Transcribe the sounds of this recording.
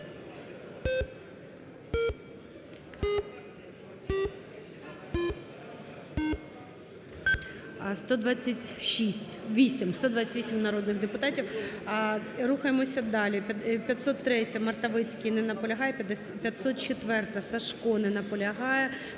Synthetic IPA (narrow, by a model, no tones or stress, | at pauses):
st̪ɔd̪ʋɑt͡sʲːɐtʲʃisʲtʲʋʲisʲimst̪ɔd̪ʋɑt͡sʲːɐtʲʋʲisʲimnɐɾɔd̪nɪɣd̪epʊt̪ɑtʲiw | ɾuxɐjemɔsʲɐd̪ɑlʲipʲjɐt̪sɔt̪ːɾɛtʲɐmɐrt̪ɐʋɪt͡sʲkinɛnɐpɔlʲɐɦɑjɛ | pʲjɐt̪sɔt̪̚t͡ʃet̪ʋɛrt̪ɐsɐʃkɔnɛnɐpɔlʲɐɦɑjɛ